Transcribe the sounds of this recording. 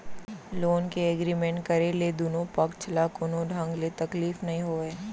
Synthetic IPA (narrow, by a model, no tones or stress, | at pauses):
loːnkeeɡɾiːmẽɳʈkɐɾeled̪oːnõpɐkt͡ʃʰlakoːnõɖʱɐ̃ŋɡlet̪ɐkliːfnɐɦĩɦoːeː